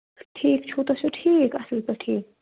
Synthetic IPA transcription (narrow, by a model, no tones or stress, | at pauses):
ʈʰiːkt͡ʃʰoːt̪ot͡ʃʰoʈʰiːkɐsəlt̪əʈʰiːk